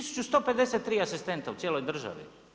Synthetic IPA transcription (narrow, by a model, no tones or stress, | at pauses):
isu̥t͡ʃust̪o̞pe̞d̪eset̪ːɾiːasist̪e̞nt̪aut̪jeːlo̞jd̪r̩ʒa̰ʋḭ